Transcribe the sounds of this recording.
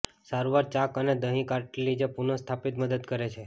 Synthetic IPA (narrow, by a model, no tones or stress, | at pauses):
saɾuʋaɾt͡ʃakəned̪əɦĩkaɾʈlid͡ʒepunost̪ʰapit̪məd̪əd̪kəɾet͡ʃʰe